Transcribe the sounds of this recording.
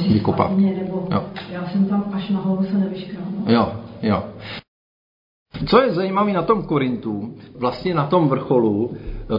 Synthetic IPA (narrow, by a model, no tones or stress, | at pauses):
vɪkopa̰ɲɛnɛbojo̰jaːsɛmt̪amaʃnaɦolusɛnɛvɪʃkɾalnjojo | t͡sojɛzajimaviːnat̪o̞mkoɾɪnt̪uvlast̪ɲɛnat̪o̞mvr̩xo̞lu